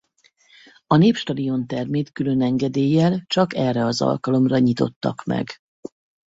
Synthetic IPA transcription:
ɒneːpʃt̪ɒd̪io̞nt̪ɛrmeːt̪kylø̞nɛŋɡɛd̪eːjːɛlt͡ʃɒkɛrːɛɒzɒ̰lkɒlo̞mrɒɲit̪o̞̰t̪ːɒ̰kmɛ̰ɡ

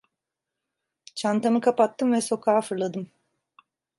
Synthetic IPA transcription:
t͡ʃʰant̪ʰanɯkʰapat̪ːɯmvɛso̞kʰaːfɯɾlˠad̪ɯm

